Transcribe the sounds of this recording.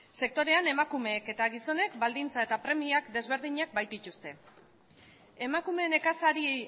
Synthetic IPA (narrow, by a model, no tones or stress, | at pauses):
se̞k̚t̪o̞ɾe̞ane̞makume̞ːke̞t̪aɣiso̞ne̞kbald̪int͡sae̞t̪apɾe̞miakd̪e̞zβ̞e̞ɾðiɲak̚bajt̪it̪ust̪e̞ | e̞makume̞ne̞kasaɾi